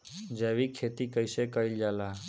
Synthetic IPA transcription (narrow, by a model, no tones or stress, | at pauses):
d͡ʒeʋikʰet̪ikəjsekəild͡ʒala